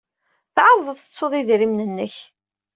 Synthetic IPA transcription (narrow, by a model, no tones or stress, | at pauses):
θʕɑɾˤðˤəθə̥t͡sːʊðˤiðɾimnənːəç